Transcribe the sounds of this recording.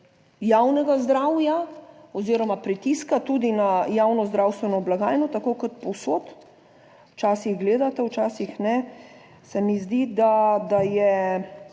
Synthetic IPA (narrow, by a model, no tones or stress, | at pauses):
jawnɛɡazd̪ɾaːwjaɔziɾɔmapɾit̪iskat̪ud̪inajaːwnɔzd̪ɾawst̪ʋɛnɔblaɡaːjnɔt̪akokɔt̪pɔwsoːt̪ | wt͡ʃaːsiɣɡleːd̪at̪ɛwt͡ʃaːsixnɛ | sɛmizd̪id̪ad̪ajɛ